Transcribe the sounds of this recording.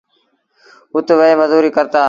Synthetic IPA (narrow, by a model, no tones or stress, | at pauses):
ʊt̪ʋəeːməzuːɾiːkəɾt̪aː